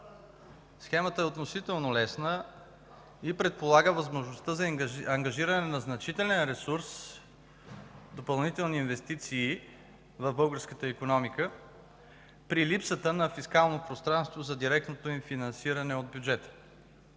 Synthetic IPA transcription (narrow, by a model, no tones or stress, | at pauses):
sxɛmət̪əɛot̪nosit̪ɛlˠnolɛsnə | ipɾɛt̪̚polˠaɡəvɐzmoʒnost̪əzɐɐŋɡɐʒiɾɐnɛnɐznɐt͡ʃit̪ɛlɛnɾɛsuɾs | d̪opɐlˠnit̪ɛlˠniːnvɛst̪it̪siː | vɐvbɤlˠɡəɾskət̪əikonɔmikə | pɾilipsət̪ənɐfiskalˠnopɾost̪ɾanst̪vozɐd̪iɾɛk̚t̪not̪oinfinɐnsiɾɐnɛod̪̚bʲjud͡ʒɛt̪ə̥